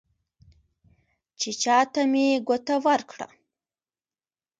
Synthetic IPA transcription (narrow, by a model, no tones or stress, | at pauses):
t͡ʃet͡ʃɑt̪ameɡot̪awaɾkɽa̰